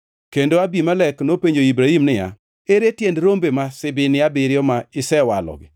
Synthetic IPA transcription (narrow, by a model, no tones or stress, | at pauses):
kendoabimalɛknopeɲd͡ʒoibɾaimnɪja̰ | eɾetjendɾombemasɪbɪnɪabɪɾɪɔmaɪsɛwalɔ̰ɡɪ̰